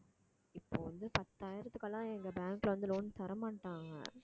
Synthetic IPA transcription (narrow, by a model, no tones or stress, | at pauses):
ɪpːo̰ːʋɐnd̪ɯpɐt̪ːaːjɪɾɐt̪ːɯkːɐlːãːɛŋɡɐbaːŋklʋɐnd̪ɯloːnt̪ɐɾɐmaːʈːaːŋɡɐ̰